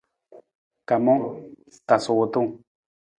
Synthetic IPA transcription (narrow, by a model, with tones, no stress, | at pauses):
ka˨mõ˦ | t̪a˨su˧t̪u˦